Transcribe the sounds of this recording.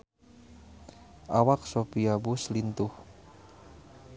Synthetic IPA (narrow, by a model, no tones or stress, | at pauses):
ʔawak̚sopiabuslint̪ʊh